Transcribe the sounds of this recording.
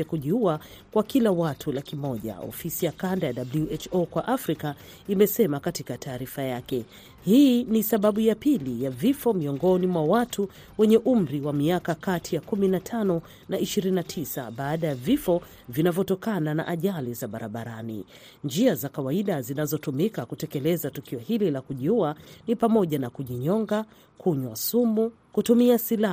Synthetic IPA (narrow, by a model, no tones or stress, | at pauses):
akuʄiua | kwakilawatʰulakimɔʄa̰ɔ̰fisijakandajaɗabluʔɛt͡ʃokwaʔafɾika | imɛsɛmakatikatʰaːɾifajakɛ | hinisaɓaɓujapilijavifɔmiɔŋɡɔnimwawatʰu | wɛɲɛʔum̩ɾiwamiakakatʰijakuminatʰanɔ | naiʃiɾinnatʰisa̰ɓaːɗajavifɔ | vinavjɔtɔkanana̰ʔaʄalizaɓaɾa̰ɓaɾanḭ | nd͡ʒiazakawaiɗazinazɔtumikakutɛkɛlɛzatukiɔhililakuʄiuanipamɔʄanakuʄiɲɔŋɡa | kʰuɲwasumu | kutumiasila